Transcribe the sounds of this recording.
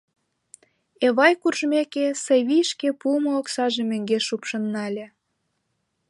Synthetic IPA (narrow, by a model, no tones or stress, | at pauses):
eβɑjkurʒmekesəβʲijʃkepumooksɑʒemø̆ŋɡeʃupʃɤnːɑlʲe